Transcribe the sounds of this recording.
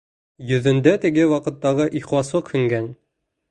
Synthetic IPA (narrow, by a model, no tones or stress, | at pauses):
jɵ̆ðɘ̆nd̪æt̪ɘ̆ɡɘwɑqɤ̆t̪ːɑʁɤʔiχlˠɑsɤqʰhɵ̆ŋɡæn